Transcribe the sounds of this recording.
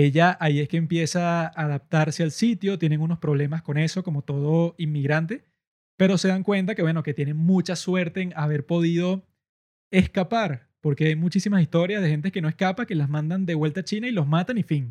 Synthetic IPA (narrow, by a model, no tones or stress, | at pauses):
e̞ʝaʔaie̞ske̞ːmpje̞saːðap̚t̪aɾse̞alsit̪jot̪je̞ne̞ŋuno̞spɾoβle̞masko̞ne̞so̞ko̞mo̞t̪o̞ð̞o̞imːiɣɾant̪e̞ | pe̞ɾo̞se̞ðaŋkwe̞nt̪ake̞βwe̞no̞ke̞t̪je̞ne̞ŋmut͡ʃaswe̞ɾt̪e̞ːŋaβe̞ɾpo̞ð̞ið̞o̞ | e̞skapaɾ | po̞ɾke̞ajmut͡ʃisimasist̪o̞ɾjaðe̞xent̪ekenoe̞skapake̞lazmãnd̪and̪e̞βwe̞lt̪aːt͡ʃinailo̞zmat̪anifiŋ